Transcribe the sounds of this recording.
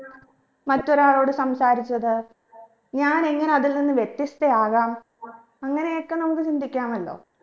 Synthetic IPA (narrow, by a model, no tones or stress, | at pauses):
mɐtːo̞ɾaːɭo̞ːɽɨsɐmsaːɾit͡ɕːɐðɨ | ɲaːne̞ŋːɐneɐðilninːɨʋjet̪ːist̪ɐaːɣaːm | ɐŋːɐne̞jokːe̞nɐmukːɨt͡ɕind̪ʱikʲːaːmɐlːo̞̰ː